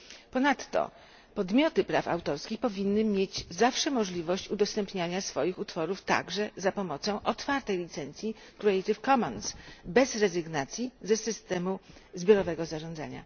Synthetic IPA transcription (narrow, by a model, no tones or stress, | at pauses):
pɔnat̪ːɔ̰ | pɔd̪mʲjɔt̪ɘpɾa̰fa̰wt̪ɔɾskʲixpɔvʲinːɘmʲjed͡ʑzafʂɛmɔʐlʲivɔɕt͡ɕud̪ɔst̪ɛmpɲaɲasfɔjixut̪fɔɾuft̪a̰ɡʐɛzapɔmɔt̪sɔ̃w̃ʔɔt̪faɾt̪ɛjlʲit̪sɛnt̪sʲji | kɾɛɛjt̪ɘfkɔmɔnsbɛzɾɛzɘɡnat̪sʲjizɛsɘst̪ɛmuzbʲjɔɾɔvɛɡɔzaʐɔ̃nd̪za̰ɲa̰